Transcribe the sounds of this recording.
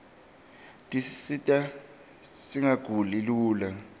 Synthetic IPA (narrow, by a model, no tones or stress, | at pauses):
tʼisisitʼa | siŋaɡ̥ʱuliluːla